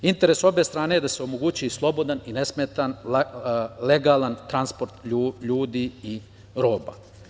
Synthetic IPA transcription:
int̪e̞ɾeso̞be̞st̪ɾaːne̞jed̪ase̞o̞moɡuːt͡ɕiislˠo̞bo̞d̪aninesmet̪an | leɡaːlˠant̪ɾanspo̞ɾt̪ʎʎuːd̪ii | ɾo̞ːba̰

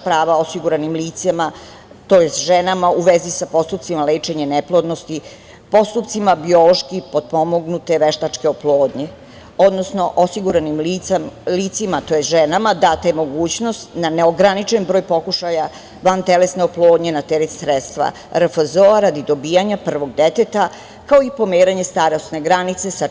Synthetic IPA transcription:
pɾaːʋao̞siɡuɾanimliːt̪sima | t̪ojest̪ʒenamauʋezisapo̞st̪up̪̚simaleːt͡ʃe̞ɲeneplˠo̞d̪no̞st̪i | po̞st̪upt̪simabio̞lo̞ʃkipo̞d̪̚po̞moɡnut̪e̞ʋeʃt̪at͡ʃke̞oplˠoːd̪ɲe | o̞d̪nosno̞ʔosiɡuɾanimilit̪simat̪o̞jesʒenamad̪at̪emo̞ɡuːt͡ɕno̞st̪naneoɡɾanit͡ʃenbɾo̞ːjpo̞kuʃaja | ʋant̪elesneoplˠo̞ːd̪ɲenat̪eɾet̪sɾet̪st̪ʋa̰ | ɾəfəzoaɾad̪id̪o̞bijaɲapr̩ʋo̞ɡd̪e̞t̪et̪a | kaoipo̞meːɾaɲe̞st̪aɾost̪ne̞ɡɾanit̪se̞sa

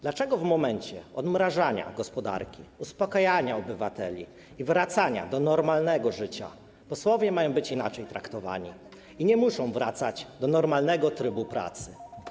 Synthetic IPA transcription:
d̪lat͡ʂɛɡɔvmɔmɛɲt͡ɕɛ̰ɔd̪mɾaʐaɲa̰ɡɔspɔd̪a̰ɾkʲiuspɔkajaɲaɔbɘvat̪ɛ̰lʲḭ | ivɾat̪saɲa̰d̪ɔnɔɾmalnɛɡɔʐɘt͡ɕa̰ | pɔswɔvʲjɛmajɔ̃w̃bɘt͡ɕinat͡ʂɛjt̪ɾakt̪ɔva̰ɲḭ | iɲɛmuʂɔ̃w̃vɾat̪sad͡ʑd̪ɔnɔɾmalnɛɡɔt̪ɾɘbupɾa̰t̪sɘ

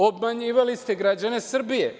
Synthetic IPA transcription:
obmaɲiːʋalist̪eɡɾad͡ʑane̞sr̩bije

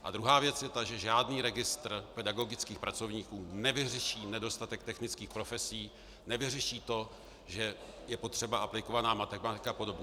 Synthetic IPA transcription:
ʔa̰d̪ɾuɦaːvjɛt͡sjɛt̪aʒɛʒaːdniːɾɛɡɪst̪rpɛdaɡo̞ɡɪt͡skiːxpɾat͡so̞vɲiːkuːnɛvɪrɛʃiːnɛdo̞st̪at̪ɛk̚t̪ɛxnɪt͡skiːxpɾo̞fɛsiː | nɛvɪrɛʃiːt̪o̞ | ʒɛ | jɛpo̞t̪r̝̥ɛbaʔaplɪko̞vanaːmat̪ɛmat̪ɪkapo̞do̞bɲɛ

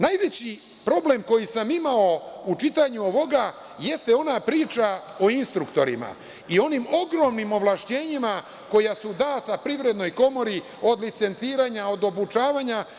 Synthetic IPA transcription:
najʋe̞t͡ɕi | pɾo̞ble̞mko̞jisamimao̞ut͡ʃit̪aɲuoʋo̞ɡa | je̞st̪eo̞napɾiːt͡ʃa | o̞inst̪ɾukt̪o̞ɾḭma̰ | io̞nimo̞ɡɾo̞ːmnimo̞ʋlˠaʃt͡ɕeːɲima | ko̞jasud̪aːt̪apɾivɾe̞d̪no̞jko̞mo̞ɾi | o̞d̪lit̪se̞nt̪siːɾaɲao̞d̪o̞but͡ʃaːʋaːɲa

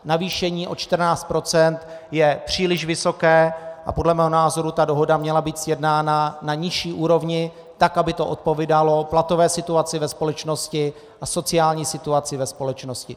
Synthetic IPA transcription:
naviːʃɛɲiːʔo̞t͡ʃt̪r̩naːt͡st̪̚pɾo̞t͡sɛnt̪ | jɛpr̝̥iːlɪʃvɪso̞kɛːʔa̰po̞dlɛmɛːɦonaːzo̞ɾut̪ado̞ɦo̞damɲɛlabiːt̪sjɛdnaːnanaɲɪʃiːʔuːɾo̞vɲɪ | t̪akabɪt̪oʔot̪̚poviːdalo̞plat̪o̞vɛːsɪt̪uat͡sɪvɛspo̞lɛt͡ʃno̞scɪ | ʔaso̞t͡sɪaːlɲiːsɪt̪uat͡sɪvɛspo̞lɛt͡ʃno̞scɪ

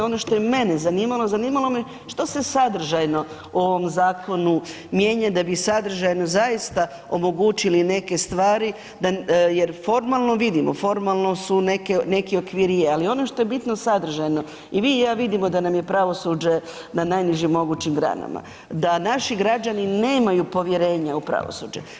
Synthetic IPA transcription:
o̞no̞ʃt̪ojemenezaniːmalˠo̞zaniːmalˠo̞me | ʃt̪ose̞sad̪r̩ʒajno̞ | uo̞ʋo̞mzaːkʰo̞nu | mje̞ːɲad̪abisad̪r̩ʒajnozajist̪a | omo̞ɡuːt͡ʃiline̞ke̞st̪ʋaːɾi | d̪aje̞ɾfo̞ɾmalˠno̞ʋid̪imo̞̰fo̞ɾmalˠno̞sune̞kene̞kio̞kʋiɾijealio̞no̞ʃt̪o̞jebit̪nosad̪r̩ʒajno̞ | imijaːʋid̪imo̞d̪anamje̞pɾaʋo̞sud͡ʒe̞ | nanajniʒimːo̞ɡut͡ɕimɡɾa̰na̰ma̰ | d̪anaʃiɡɾad͡ʒanine̞ːmajupo̞ʋjeɾe̞ːɲaupɾa̰ʋo̰suːd͡ʒḛ

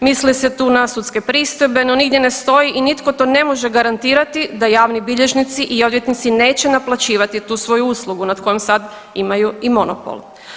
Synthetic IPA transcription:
mislise̞t̪uːnasut̪ske̞pɾiːst̪ojbe̞no̞niɡd̪je̞ne̞st̪o̞jiʔinit̪ko̞t̪o̞ne̞mo̞ʒe̞ɡaɾant̪iːɾat̪id̪ajaːʋnibiʎe̞ʒnit̪siʔio̞d̪ʋje̞t̪nit̪sine̞ːt͡ɕe̞naplˠat͡ɕiːʋat̪it̪uːsʋo̞juuslˠuɡunad̪ko̞jemsad̪ | imajuimo̞no̰po̰l

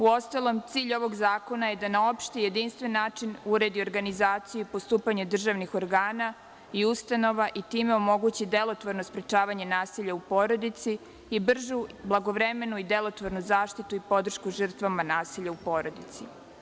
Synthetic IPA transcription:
uo̞st̪alˠo̞mt̪siːʎo̞ʋo̞ɡzaːko̞naje̞d̪anao̞pʃt̪ije̞d̪inst̪ʋenːaːt͡ʃinuɾe̞d̪io̞ɾɡanizaːt̪sijuipo̞st̪uːpaɲed̪r̩ʒaʋnixo̞ɾɡaːna | iust̪ano̞ʋaʔit̪iːme̞o̞mo̞ɡut͡ɕid̪e̞lˠo̞t̪ʋoɾnospɾet͡ʃaːʋaɲe̞naːsiːʎaupo̞ɾo̞d̪it̪siː | br̩ʒublˠaɡo̞ʋɾe̞me̞nuid̪e̞lˠo̞t̪ʋoɾnuzaːʃt̪it̪uipo̞d̪r̩ʃkuʒər̩t̪ʋamanaːsiːʎaupo̞ːɾo̞d̪it̪si

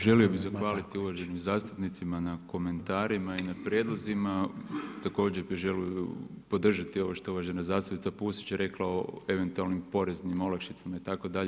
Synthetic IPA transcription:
ʒe̞lio̞bizaxʋaːlit̪iuʋaʒe̞nimzaːst̪u̥pnit̪simanako̞me̞nt̪aːɾimainapɾjed̪lˠozimat̪ako̞ːd͡ʑeɾpiʒe̞lijuu | po̞d̪r̩ʒat̪io̞ʋoʃt̪ouʋaʒenazaːst̪upnit̪apusi̥t͡ɕɾe̞klaoe̞ʋe̞nt̪ualnimpo̞ɾe̞znimo̞lakʃit̪samait̪ako̞d̪aʎe

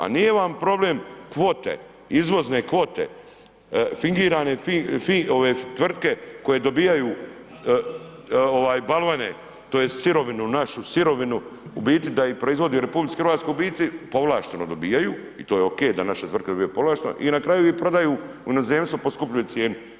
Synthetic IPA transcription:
a̰nije̞ʋampɾo̞bleːmkʋoːt̪ḛ | izʋo̞znekʋo̞t̪ḛ | fiŋɡiːɾaːne̞ffioʋeːt̪ʋr̩t̪̚ke̞ko̞je̞d̪obiːjajuː | oʋaːjbalˠʋanḛ | t̪oːjessiɾo̞ʋinunaʃusiɾo̞ʋinuubiːt̪id̪aipɾoizʋo̞d̪ijuɾepublit̪ixɾʋaːt̪kojubiːt̪ipo̞ʋlˠaːʃt̪enod̪o̞biːjajuː | ḭt̪oːjeokejd̪anaʃet̪ʋr̩t̪ked̪o̞bijepo̞ʋlˠaːʃt̪eno̰ʔinakɾaːjuipɾo̞d̪ajuːujinozeːmst̪ʋoposkupʎʲujet̪sjeːnu

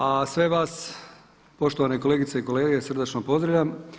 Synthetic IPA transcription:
asʋe̞ʋas | po̞ʃt̪oʋane̞koleːɡit̪seiko̞leːɡesr̩d̪at͡ʃnopo̞zd̪ɾaʎʲam

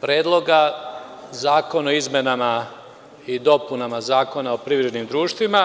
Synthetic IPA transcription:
pɾeːd̪lˠoɡa | zaːko̞noizmenama | id̪o̞punamazaːko̞nao̞pɾiʋɾe̞d̪nimd̪ɾuːʃt̪ʋima

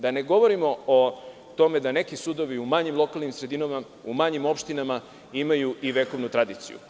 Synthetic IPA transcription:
d̪ane̞ɡo̞ʋoɾimo̞o | t̪o̞me̞d̪ane̞kisud̪o̞ʋiumaɲimlˠo̞kalˠnimsɾe̞d̪inama | umaɲimo̞pʃt̪inama | imajuʔiʋe̞ːko̞ʋnut̪ɾad̪iːt̪sḭjṵ

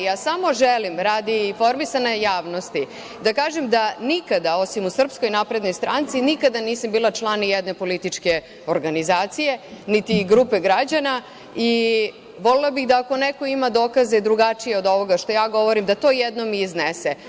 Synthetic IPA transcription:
jaːsamo̞ʒelimɾaːd̪iːfo̞ɾmisanojaːʋno̞st̪i | d̪akaːʒemd̪anikad̪ao̞simusr̩psko̞jnapɾed̪no̞jst̪ɾant̪sinikad̪aniːsambiːlat͡ʃlˠanːijɛd̪ne̞po̞lit̪it͡ʃke̞ | oɾɡanizaːt̪sije̞nit̪iɡɾupe̞ɡɾad͡ʑana | i | ʋo̞lelˠabiɣd̪aːko̞neko̞imad̪o̞ːkazeid̪ɾuɡat͡ʃije̞od̪o̞ʋo̞ɡaʃt̪o̞jaːɡo̞ʋo̞ɾimd̪at̪o̞ːjed̪no̞miːznese

